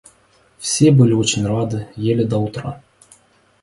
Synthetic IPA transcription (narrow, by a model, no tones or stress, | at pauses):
fsʲebɨlʲot͡ɕenʲrɑd̪ɤ̆jelʲɘ̆d̪ɑut̪rɑ